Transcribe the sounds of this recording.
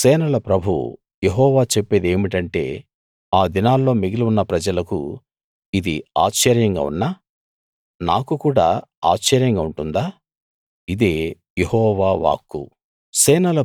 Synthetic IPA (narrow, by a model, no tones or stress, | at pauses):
sɛːnɐlɐpɾɐbʱṵ | jeɦɔːʋaːt͡ʃepːe̞ːd̪e̞ːmiʈɐɳʈe̞̰ː | aːd̪inaːlːo̞ːmiɡiluunːɐpɾɐd͡ʒɐlɐkṵ | id̪ḭa̰ːt͡ʃːɐɾjɐŋɡa̰ːṵnːaː | naːkukuːɽa̰ːa̰ːt͡ʃt͡ʃːɐɾjɐŋɡauɳʈund̪aː | id̪e̞ː | jehɔːʋaːʋa̰ːkːṵ | sɛːnɐlɐ